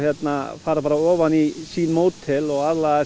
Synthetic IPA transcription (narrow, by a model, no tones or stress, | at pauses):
hjɛt̪nafaːɾapaːɾaɔːʋanisiːnmoːwt̪ʰːɪlɔɣaðla